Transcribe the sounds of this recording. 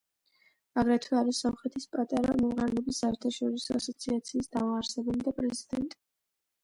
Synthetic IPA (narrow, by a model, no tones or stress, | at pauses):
aɡɾɛt̪ʰwɛaɾisɔmχɛt̪ʰispʼat̪ʼaɾa̰mɔmʁaɾɛlɛbisaɛɾt̪ʰaʃɔɾisɔasɔt̪sʰiat̪sʰiːsd̪aaɾsɛbulid̪apʼɾɛzid̪ɛnt̪ʼi̥